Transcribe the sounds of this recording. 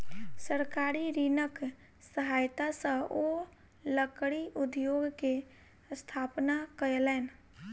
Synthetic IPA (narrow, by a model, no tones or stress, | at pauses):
səɾkaɾiɾinək | səɦaːjt̪asə̃ʔo | ləkɽiʔʊd̪joːɡke | st̪ʰaːpnakəelɛːn